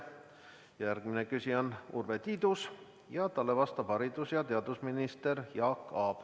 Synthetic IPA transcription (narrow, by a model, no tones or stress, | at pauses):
jærɡ̥minekysiɑnṵrve̞t̪iːd̪̥us | jɑt̪ɑlːe̞vɑst̪ɑb̥hɑɾid̪usjɑt̪e̞ɑd̪usminist̪e̞ɾjɑːkːɑːb̥